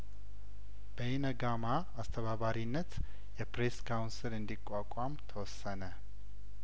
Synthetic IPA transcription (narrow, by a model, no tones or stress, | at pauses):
b̥əɪnəɡama | ast̪ʰəβaβaɾinːət̪ | jɛpɾeskʰawnsɨlɨnd̪ikʼakʷʼamt̪ʰəwɔsːənə